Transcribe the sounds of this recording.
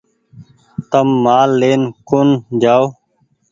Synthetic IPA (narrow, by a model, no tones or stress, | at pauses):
t̪əmːaːlːeːnkʊnd͡ʒaːoː